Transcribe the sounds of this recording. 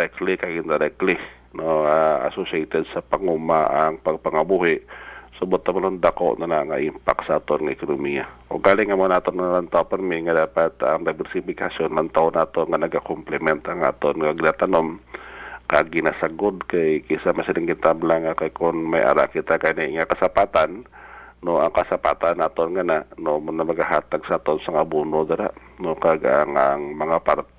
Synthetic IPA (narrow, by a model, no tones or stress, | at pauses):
ɾɛklikaɡint̪aɾɛkli | noaa̰sosɛt̪ɛd̪̚sapaŋumaʔaŋpaɡ̚paŋabuɦɪʔsobot̪ːomanond̪ako̰ʔnanaŋaʔimpa̰ksaat̪onŋaɛkonomiaʔo̰ɡalɪŋamonaat̪onanalant̪aopɛrmiŋad̪apat̪a̰ŋdajvɛrsifikasjɔnlant̪aʊnat̪oŋanaɡakɔmplɛmɛnt̪aŋa̰t̪onŋaɡinat̪anɔm | kaɡinasaɡʊd̪kajkisamasiɾɪŋkint̪ablaŋakajkɔnmajʔa̰ɾa̰ʔkit̪akajniiŋakasapat̪anː | ɔaŋkasapa̰t̪anat̪ɔnŋananɔmɔnamaɡaɦat̪aɡsat̪ɔnsaŋabunod̪aɾanɔkaɡa̰ʔaŋaŋmaŋapar